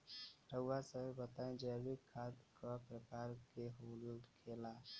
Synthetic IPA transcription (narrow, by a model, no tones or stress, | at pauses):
ɾəasəbət̪aẽd͡ʒəːbikʰːaːd̪kapɾəkaːɾkeɦoluldkʰeːla